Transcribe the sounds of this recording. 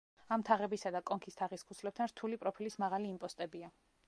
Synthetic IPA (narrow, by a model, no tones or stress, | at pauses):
amt̪ʰaʁɛbisad̪akʼɔŋkʰist̪ʰaʁiskʰusʰlɛp̚t̪ʰanɾt̪ʰulipʼɾɔpʰilismaʁaliːmpʼɔst̪ʼɛbia